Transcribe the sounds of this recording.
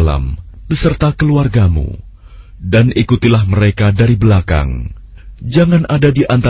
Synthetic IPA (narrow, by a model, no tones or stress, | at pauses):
la̰mbəsərt̪akəluarɡamṵ | danʔikut̪ilahməɾekadaɾibəlaka̰ŋ | d͡ʒaŋanʔadadiʔant̪a